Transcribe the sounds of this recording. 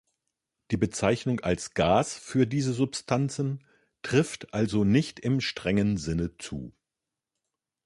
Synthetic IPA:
d̥iːbət͡saɪçnʊŋa̰lsɡ̥aːsfyːɐdiːzəzʊpstʰant͡sn̩ | tʁ̥ɪftʔalzonɪçtɪmʃtʁ̥ɛŋənzɪnət͡sṵː

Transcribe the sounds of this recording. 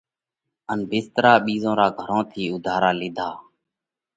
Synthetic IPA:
ənbɪst̪əɾaːɓiːzõːɾaːɡʱəɾõːt̪ʰiːʊd̪ʱaːɾaːlɪːd̪ʱaː

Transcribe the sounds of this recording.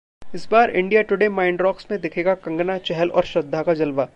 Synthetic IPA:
ɪsbaːɾɪ̰̃ɳɖijaʈʊɽemaːɪɳɖɾɔːksmẽd̪ɪkʰeːɡakɐ̃ŋɡnat͡ʃɛɦɛlɔ̰ːɾʃɾɐd̪ʱːakad͡ʒɐlʋaː

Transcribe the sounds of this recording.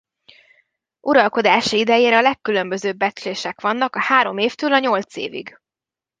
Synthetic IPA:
uɾɒlko̞d̪aːʃiid̪ɛjeːɾɛɒlɛkːylø̞mbø̞zøːbːɛt͡ʃleːʃɛkʋɒnːɒkɒhaːɾo̞meːft̪øːlɒɲo̞lt̪sḛːvḭɡ

